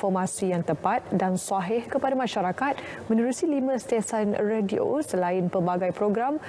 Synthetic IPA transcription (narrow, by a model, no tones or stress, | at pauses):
fɔrmasijaŋt̪əpat̪̚dansaɦɪhkəpadamãʃaɾakat̪̚mə̃nũɾusilimə̃st̪iasanrediʔo̰səlaɪnpəbaɡajpɾoɡɾam